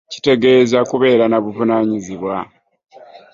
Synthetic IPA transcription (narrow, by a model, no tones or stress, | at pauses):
ci̥te̞ɡe̞zakuβe̞ːɾanaβuvunaɲiziβwa